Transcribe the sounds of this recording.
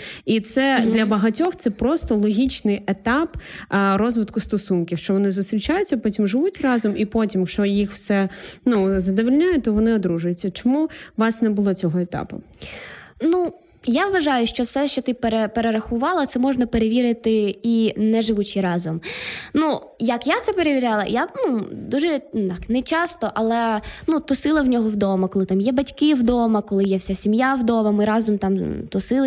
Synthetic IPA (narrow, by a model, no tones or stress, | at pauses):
it̪sɛd̪lʲɐbɐɦɐtʲɔxt̪sɛpɾɔst̪ɔlˠɔɦʲit͡ʃnɪjet̪ɑpɾɔzʋɪt̪kʊst̪ɔsunkʲiwʃt͡ʃɔʋɔnɪzʊst̪ɾʲit͡ʃajʊt͡sʲːɐpɔtʲimʒɪʋutʲrɑzɔmipɔtʲimʃt͡ʃɔjixwsɛnuzɐd̪ɔʋilʲnʲajʊt̪ɔʋɔnɪɔd̪ɾuʒʊjʊt͡sʲːɐt͡ʃɔmuʋɑsnɛbʊlˠɔt͡sʲɔɦɔet̪ɑ̰pʊ̰ | nu | jaʋʋɐʒɑjʊʃt͡ʃɔwsɛʃt͡ʃɔt̪ɪpeɾepeɾeɾɐxʊʋɑlˠɐt̪sɛmɔʒnɐpeɾeʋʲiɾɪt̪ɪinɛʒɪʋut͡ʃɪɾɑzɔmnu | jɐkjat̪sɛpeɾeʋʲiɾʲalˠɐ̰janud̪uʒɛt̪ɑknɛt͡ʃɑst̪ɔʔɐlˠɛnut̪ɔsɪlˠɐwnʲɔɦɔwd̪ɔmɐkɔlˠɪt̪ɑmjɛbɐtʲkɪwd̪ɔmɐkɔlˠɪjɛwsʲasʲimjawd̪ɔmɐmɪɾɑzɔmt̪ɑmt̪ɔsɪlˠ